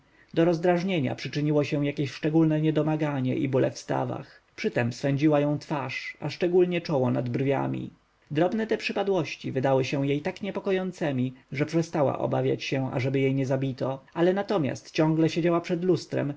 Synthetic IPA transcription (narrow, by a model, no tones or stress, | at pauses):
d̪ɔɾɔzd̪ɾaʐɲeɲa̰pʂɘt͡ʂɘɲiwɔɕɛ̃jakʲeɕʂt͡ʂɛɡulnɛɲɛd̪ɔmaɡaɲɛ̰ʔḭbulɛ̰fst̪a̰va̰x | pʂɘt̪ɛmsfɛɲd͡ʑiwajɔ̃w̃t̪faʂaʂt͡ʂɛɡulɲɛt͡ʂɔwɔna̰d̪brvʲja̰mʲḭ | d̪ɾɔbnɛt̪ɛpʂɘpad̪wɔɕt͡ɕivɘd̪awɘɕɛw̃jejt̪akɲɛpɔkɔjɔnt̪sɛmʲiʐɛpʂɛst̪awa̰ʔɔ̰bavʲja̰t͡ɕɕɛa̰ʐɛbɘjejɲɛzabʲit̪ɔalɛnat̪ɔmʲja̰st̪t͡ɕɔ̃ŋ̃ɡlɛɕed͡ʑawapʂɛd̪lust̪ɾɛ̰m